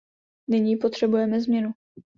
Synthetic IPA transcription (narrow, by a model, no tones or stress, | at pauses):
nɪɲiːpo̞t̪r̝̥ɛbujɛmɛzmɲɛnu